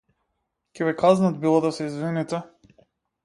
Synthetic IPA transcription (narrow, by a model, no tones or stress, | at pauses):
cʲɛβɛkaznat̪̚bilˠɔd̪asɛizvinit̪ɛ